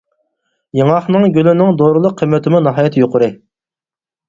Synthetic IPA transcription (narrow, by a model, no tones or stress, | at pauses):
jeŋɑχnɨŋɡʲylynɪŋd̪oːɾɨlˠʊqʰːəmːɛt̪ɪmunɑɦɑːjt̪ʰjoqʊɾɨ